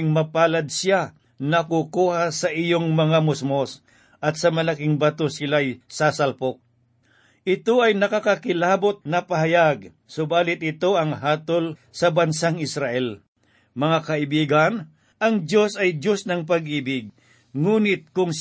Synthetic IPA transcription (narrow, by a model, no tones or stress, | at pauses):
ŋmɐpaːlɐd̪̚sɪja | nɐkukuːhasɐʔijoŋmɐŋamʊsmos | ʔɐt̪̚sɐmɐlakɪŋbɐt̪osɪlajsasalpok̚ | ʔɪt̪oʔɐjnɐkakakɪlaːbot̪̚nɐpɐɦajaɡ̚ | sʊbaːlɪt̪̚ɪt̪oʔɐŋɦaːt̪olsɐbɐnsaŋɪsɾaʔɛl | mɐŋakɐɪbiːɡan | ɐŋd͡ʒo̞sɐjd͡ʒosnɐŋp̬ɐɡ̚ʔiːbɪɡ̚ | ŋuːnɪt̪̚kʊŋ